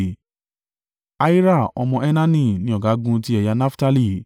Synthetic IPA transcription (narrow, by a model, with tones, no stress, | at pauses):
a˧˦i˦ɾa˦˨ɔ˧mɔ̃˧ɛ˦nã˦nĩ˦˨nĩ˦ɔ˦˨ɡa˨˦ɡũ˧˦ti˦ɛ˨ja˧nã˦fta˦˧li˦˨